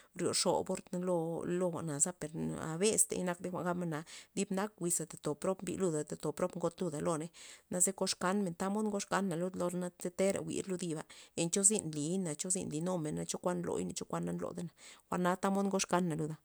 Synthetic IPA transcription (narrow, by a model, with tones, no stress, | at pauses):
ɾjo̰˨ʂo̰˨bo˦ɾt̪n˦lo˧lo˧xʷa̰˨ʔna˨za˦pe˨ɾa̰˧be˦st̪ḛ˧˨˦na˧k̚d̪e˦xʷa̰˧˨ɡa˦bma˦na˨˧d̪i˦bna˦k̚wi˧sa˨t̪e˨t̪o˨pɾo˦bmbḭ˧lu˧d̪a˨t̪a˨t̪o˨pɾo˦bŋɡo˦t̪lu˧d̪a˨lo˧ne˦na˧ze˦ko˧ʂka˦nme˨nt̪a˦mo˦d̪ŋɡo˦ʂka˦nːa˨lo˦d̪lo˧ɾna˦z̥e˦t̪e˦ɾa̰˨wʷḭ˨ɾlu˧˦d̪i˧ba̰˨e˨nt͡ʃo˦zi˦˧nli˨˦na˨t͡ʃo˦zḭ˦˧nli˨no˦me˨nːa˧˦t͡ʃo˦kʷa˦nlo̰˧˨˦jne˨t͡ʃo˦kʷa˦nːa˦nlo̰˨d̪e˦na˨xʷa˧˨na˨˦t̪a˦mo˦d̪ŋɡo˦ʂka˦nːa˨lu˧d̪a˨